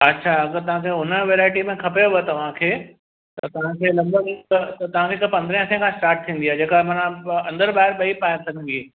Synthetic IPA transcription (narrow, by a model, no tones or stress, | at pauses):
ɐtːʃʰaɐɡəɾt̪ɐʋ̤ãkʰeːʊnəʋeːɾaːɪʈimẽkʰɐpeoʋet̪ɐʋ̤ãkʰeː | t̪ɐt̪ɐʋ̤ãkʰeːlɐbət̪ɐt̪ɐʋ̤ãkʰeːkpɐ̃nd̪ɾə̃sẽkʰãsʈaːɾʈ̚t̪ʰĩːn̆d̪iaːɦed͡ʑeːkaɦemɐnaɐ̃nd̪əɾɓaːɦɪɾɓɐipaːɪɾsɐɡə̃ɡi